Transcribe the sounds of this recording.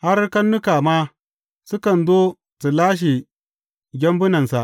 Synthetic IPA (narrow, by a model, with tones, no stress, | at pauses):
ha˦rka˦nːʊ˦ka˨ma˦ | sʊ˦kɐ˨nzoː˦ | su˨laː˦ʃ̬i˨ | ɡʲɐ˦mbʊ˦nɐ˨nsa˨ʔ